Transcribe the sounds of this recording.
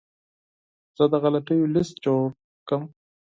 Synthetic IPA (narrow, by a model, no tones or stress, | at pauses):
z̥əd̪əɣalat̪əjolɪst̪̚t͡ʃo | kəm